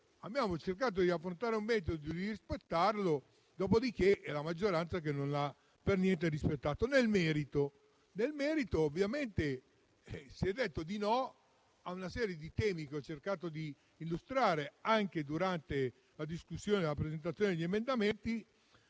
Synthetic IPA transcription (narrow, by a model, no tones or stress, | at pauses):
abjaːmot͡ʃerk̬aːt̪̬od̪iafːɾont̪aːɾeumːɛɾit̪̬od̪od̪irispet̪ːarlo | d̪ɔːpod̪ik̟eʔɛlamad͡ʒːoɾant̪sak̬enːonla | pernjɛnt̪̬eɾispet̪ːaːt̪onelmɛːɾit̪o | nelmɛːɾit̪oːvːjament̪e | siɛd̪ːet̪ːod̪inɔ | aunasɛːɾjed̪it̪ɛːmik̟eɔt͡ʃerkaːt̪od̪iː | lːust̪ɾaːɾeaŋk̟ed̪uɾant̪e | lad̪iskusːjoːnelapɾezent̪̬at̪sjoːned̪eʎiemend̪ament̪i